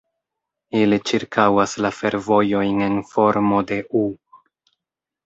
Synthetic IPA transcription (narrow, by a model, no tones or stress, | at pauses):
ilit͡ʃiɾkawaslafe̞ɾvo̞jo̞jne̞nfo̞ɾmo̞de̞ʔu